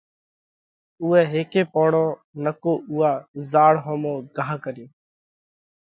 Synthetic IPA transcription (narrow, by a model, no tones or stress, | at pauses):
uːɛːɦeːkeːpoːɽoː | nəkoːʔuːaːzaːɽɦõːmõːɡaːɦkəɾɪjoː